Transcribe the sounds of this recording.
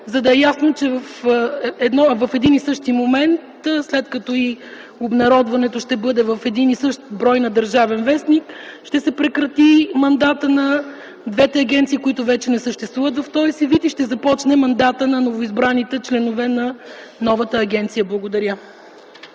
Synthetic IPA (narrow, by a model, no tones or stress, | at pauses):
zɐd̪ɐɛjasnot͡ʃɛvəfɛd̪nɔvɐfɛd̪inisɤʃt̪imomɛnt̪slɛt̪kɐt̪ɔi | obnɐɾɔd̪vɐnɛt̪oʃt̪ɛbɤd̪ɛvɐfɛd̪inisɤʃt̪bɾɔjnɐd̪ɐɾʒavɛnvɛsnikʃt̪ɛsɛpɾɛkɾɐt̪imɐnd̪at̪ənɐ | d̪vɛt̪ɛɐɡʲɛnt̪sikoit̪ʊvɛt͡ʃɛnɛsəʃt̪ɛst̪vuvət̪vɐft̪ɔjsivit̪iʃt̪ɛzɐpɔt͡ʃnɛmɐnd̪at̪ənɐnovoizbɾanit̪ɛt͡ʃlɛnovɛnɐnɔvɐt̪əːɡʲɛnt̪sijəblˠɐɡoʊd̪ɐɾʲjə